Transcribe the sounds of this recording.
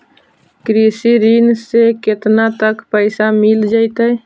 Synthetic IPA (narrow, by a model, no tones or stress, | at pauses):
kɾiːsiɾiːnsekɪt̪nat̪əkpəɪsamɪld͡ʒaɪt̪əj